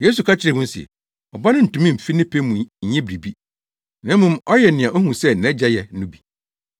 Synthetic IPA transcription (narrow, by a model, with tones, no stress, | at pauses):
jeː˦s̬u˨kʰa˦t͡ɕʰɪ˨ɾe˨mʊ̃˦n˦sḭ˨ɛ̰˨ | ɔ˨ba˦nʊ̃˦n̩˨tũ˨˦mĩ˦m̩˨fi˦nɪ̃˦pʰe˦mũ˨ɲ̩˨ɲɛ̃˦bɾi˨bi˦ | nã˦m˦mʊ̃˦mɔ˦jɛ˨nɪ̃˨ã˨ʔo˦hũ˨sɛ˦n̩˨ɛ̃˦d͡ʑɛ˦jɛ˨˦nʊ̃˦bi˨